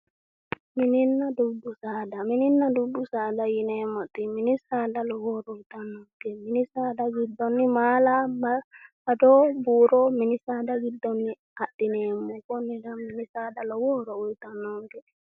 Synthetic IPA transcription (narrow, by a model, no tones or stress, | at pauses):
mininːadudusaːdamininːadudusaːdajinɛmatiminisaːdalɔwɔɾɔtanːɔŋɡɛminisadaɡidːɔnːimalama | adɔbuɾɔminisaːdaɡidːɔnːi | aɗːinɛmukɔnːidamːinisadalɔwɔɾɔujtanɔŋɡɛ